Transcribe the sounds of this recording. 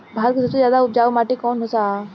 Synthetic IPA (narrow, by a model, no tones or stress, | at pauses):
bʱaːlkisɐbsezjaːd̪aʊp̚d͡ʒaːʋmaːʈikɔːnɦosa